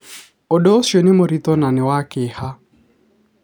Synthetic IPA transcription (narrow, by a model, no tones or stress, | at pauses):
odoːsjonɪmoɾit̪ɔnanɪwakɪha